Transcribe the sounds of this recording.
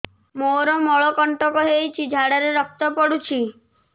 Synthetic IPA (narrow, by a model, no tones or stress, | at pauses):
moɾɔmɔɭɔkɔɳʈɔkɔɦejt͡ʃʰid͡ʒʱaɽaɾeɾɔk̚t̪ɔpɔɽut͡ʃʰi